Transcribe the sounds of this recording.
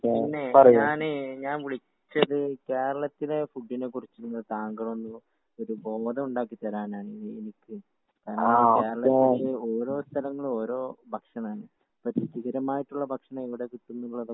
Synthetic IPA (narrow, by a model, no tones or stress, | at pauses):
inːepɐrɐjɲuaːnɨɲaːnʋiɭi | t͡ɕːɐðɨke̞ːɾɐɭɐt̪ːile̞fuɖːinekurit͡ɕːuunːɐt̪aːŋɡɐɭonːum | o̞ɾubo̞ːd̪ɐmuɳɖaːk̬ːit̪ːɐɾaːnaːɳɨenikʲːɨ | kɐnaokːeːɾɐɭɐeieo̞ːɾo̞ːst̪ʰɐlɐŋːɐɭo̞ːɾo̞ːbʱɐkʂɐnaːɳɨ | pɐtːit͡ɕiɣɐɾɐmaːjiʈːuɭːɐbʱɐkʂɐɳɐmiʋiɽe̞kiʈːunːuɭːɐðɨ